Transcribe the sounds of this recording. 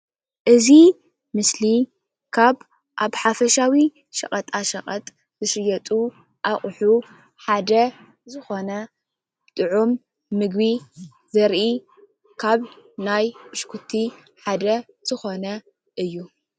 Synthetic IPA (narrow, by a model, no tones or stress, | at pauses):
ʔɨzi | mɨsli | kʰaβ | ʔaβħafɐʃawi | ʃɐχʼɐt̪ʼaʃɐχʼɐt̪ʼ | zɨʃɨjɐt̪ʼu | ʔaχʼħu | ħad̪ɐ | zɨxo̞nɐ | t̪ʼɨʕumː | ɨɡβi | zɐɾʔi | kʰaβnajbɨʃkʰut̪ʰːi | ħad̪ɐ | z̥ɨxo̞nɐ | ʔɨjːu